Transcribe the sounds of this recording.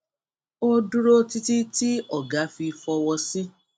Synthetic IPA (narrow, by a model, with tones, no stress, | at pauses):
o˧du˦ɾo˦ti˧ti˦ti˦ɔ˦˨ɡa˨˦fi˧fɔ˧wɔ˧si˦